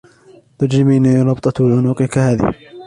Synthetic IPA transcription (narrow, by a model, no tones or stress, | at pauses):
t̪ʊd͡ʒɪmiːniɾˤɑbt̪ˤɑwalʕʊnuːqɪkahaːðɪ̰h